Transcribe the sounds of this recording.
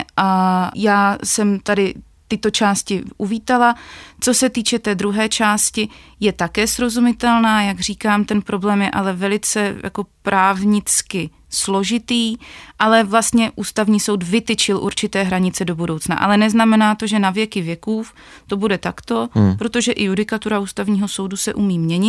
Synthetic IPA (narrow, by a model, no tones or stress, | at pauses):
ʔajaːsɛmt̪adɪ | t̪ɪt̪o̞t͡ʃaːscɪʔuviːt̪alat͡so̞sɛt̪iːt͡ʃɛt̪ɛːd̪ɾuɦɛːt͡ʃaːscɪjɛt̪akɛːsɾo̞zumɪt̪ɛlnaːjaɡr̝iːkaːmt̪ɛnpɾo̞blɛːmjɛʔalɛvɛlɪt͡sɛja̰ko̞pɾʔaːvɲɪt͡skɪ | slo̞ʒɪt̪iːʔalɛvlast̪ɲɛʔuːst̪avɲiːso̞wd̪vɪt̪ɪt͡ʃɪlʔṵɾt͡ʃɪt̪ɛːɦɾaɲɪt͡sɛdo̞budowt͡sna̰ʔa̰lɛnɛznamɛnaːt̪o̞ʒɛnavjɛkɪvjɛkuːf | t̪o̞budɛt̪akt̪o̞pɾo̞t̪o̞ʒɛʔɪjudɪkat̪uɾaʔuːst̪avɲiːɦo̞so̞wdusɛʔumiːmɲɛɲɪ